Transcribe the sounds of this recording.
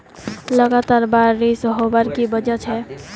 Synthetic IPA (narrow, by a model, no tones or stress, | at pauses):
ləɡat̪aɾbaɾːisɦobəɾkibəd͡ʒət͡ʃʰɛ